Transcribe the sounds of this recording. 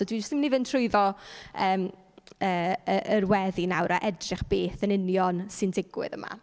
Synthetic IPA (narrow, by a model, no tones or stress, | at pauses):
ɔdwid͡ʒʊstɪmnivɪntʰrʊɨðɔəːm | əːəʔərwɛðinawɾaʔɛdrɪχb̥eːθənɪnjɔnsɪndɪɡwɪ̰ðəma̰